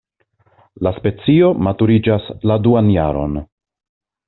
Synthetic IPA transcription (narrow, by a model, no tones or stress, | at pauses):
laspe̞t͡sio̞matuɾid͡ʒasladuanja̰ɾo̞̰n